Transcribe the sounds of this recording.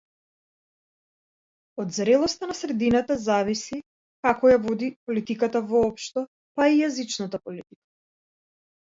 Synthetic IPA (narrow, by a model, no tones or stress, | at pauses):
od̪zɾɛlˠɔst̪anasɾɛd̪inat̪azavisi | kakɔjavɔd̪ipɔlit̪ikat̪avɔːpʃt̪ɔ | paijazit͡ʃnat̪apɔlit̪ikḁ